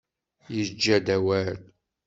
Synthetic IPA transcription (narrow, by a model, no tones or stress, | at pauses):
jəd͡ʒːæd̪æwæl